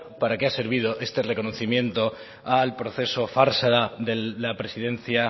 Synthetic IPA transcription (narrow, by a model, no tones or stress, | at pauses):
paɾakease̞ɾβ̞ið̞o̞ʔe̞st̪ere̞ko̞no̞θimjẽ̞nt̪o̞ | alpɾo̞θe̞so̞faɾsaðaðelapɾe̞siðẽ̞nθja